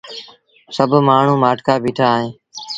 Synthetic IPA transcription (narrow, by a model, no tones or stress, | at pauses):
səbʱmaːɳ̤ũːmaːʈkaːbiːʈʰaːɦẽː